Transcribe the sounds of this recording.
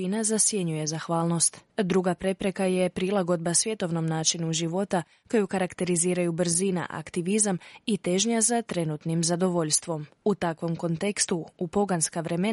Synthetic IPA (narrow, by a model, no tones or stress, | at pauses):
inazasje̞ɲuje̞zaxʋaːlˠno̞st̪d̪ɾuɡapɾe̞pɾe̞kaje̞pɾilˠaɡo̞d̪̚basʋje̞t̪o̞ʋno̞mnaːt͡ʃinuʒiʋo̞t̪a | ko̞jukaɾakt̪e̞ɾiziːɾajubr̩zina̰ʔa̰kt̪iʋizamit̪e̞ʒɲazat̪ɾe̞nut̪nimzad̪o̞ʋo̞ʎst̪ʋo̞mut̪akʋo̞mko̞nt̪ekst̪uupo̞ɡanskaʋɾe̞me